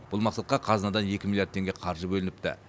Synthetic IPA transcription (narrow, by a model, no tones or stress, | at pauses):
b̥ʊlˠmɑqsɑt̪̚qɑqʰɑzənɑd̪ɑnje̞kʲɪmilˠjaɾdt̪ʰːeŋɡʲeqʰɑɾʒəbɵlɪnɪpt̪ɪ̰